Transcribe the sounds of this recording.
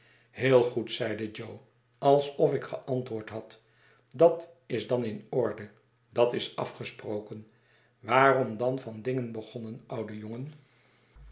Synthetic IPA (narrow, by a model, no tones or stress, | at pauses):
hɪːlˠχutsɛjdəd͡ʒow | ɑlˠsɔfɪkχəʔɑntʋʊːɹtɦɑt | dɑt | ɪzdɑnɪnɔɹdə | dɑtɪsɑ̰fχəsprowkən | ʋaːrɔmdɑnvɑndɪŋənbəχɔnənʔʌwdəjoŋən